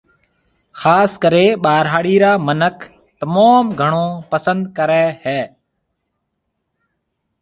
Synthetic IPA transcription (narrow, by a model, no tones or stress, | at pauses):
xaːskəɾeːɓaːɾɦaːɽiːɾaːmənəkʰ | t̪əmaːmɡʱəɳ̃oːpəsənd̪kəɾɛːhɛː